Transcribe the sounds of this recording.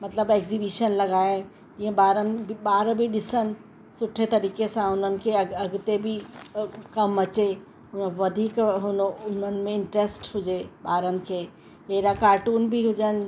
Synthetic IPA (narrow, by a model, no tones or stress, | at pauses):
mɐt̪ləbeːkzibiʃənlɐɡaːe | d͡ʒɪɦẽbaːɾənɪ̆bʱibaːɾbʱiɗɪsən̆ | sʊʈʰet̪ɐɾiːkesãʊn̤ənɪ̆kʰeɐɡt̪ebʱi | kɐmɐt͡ʃe | ʊnʋɐd̪ʱiːkɦʊnʊnənɪ̆mẽɪɳʈɾeːsʈɦʊd͡ʒebaːɾənɪ̆kʰe | eɾakaːɾʈuːnbʱiɦʊd͡ʒənɪ̆